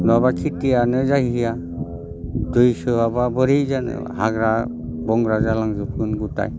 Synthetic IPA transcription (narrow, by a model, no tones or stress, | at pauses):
nabakʰitijanɯzaɦiɦija | dujsɯababɯɾizanɯ̰haɡɾa | bɔŋɾazalaŋzɯpʰɯnɡuta̰j